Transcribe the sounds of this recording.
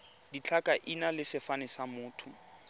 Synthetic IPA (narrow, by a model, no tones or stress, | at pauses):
dit͡ɬʰakʼaʔinalɪsɪfanɪsamʊːtʰʊ